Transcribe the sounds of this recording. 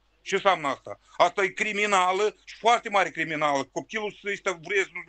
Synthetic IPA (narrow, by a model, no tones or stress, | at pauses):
ʃinsamnəast̪a̰ast̪ajekɾiminaləʃi̥foart̪e̞maɾʲekɾiminaləkop̚k̪ʲilusesʲt̪ʲavɾes